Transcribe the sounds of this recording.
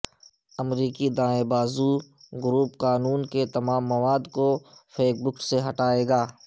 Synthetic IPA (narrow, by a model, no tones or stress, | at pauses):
ɐmɾiːkid̪ãːebaːzuɡʊɾuːpqaːnuːnket̪ɐmaːmːɐwaːd̪kopʰeːkbʊkseɦɐʈaːeːɡaː